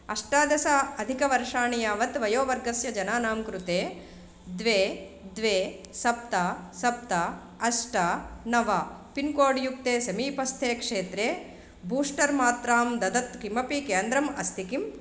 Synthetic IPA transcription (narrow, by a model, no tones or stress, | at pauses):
ɐʂʈaːd̪jɐsaɐd̪ʱikɐʋɐɾʂaːɳijaːʋɐt̪ʋɐjoːʋɐɾɡɐsjɐd͡ʒɐnaːnaːmkɾut̪eː | d̪ʋeː | d̪ʋeː | sɐp̚t̪ɐsɐp̚t̪ɐ | ɐsʈɐnɐʋɐpinkoːɖjuk̚t̪eːsɐmiːpɐst̪ʰeːkʂeːt̪ɾeː | buːʂʈɐɾmaːt̪ɾaːmd̪ɐd̪ɐt̪kimɐpikeːnd̪ɾɐmɐst̪ʰikim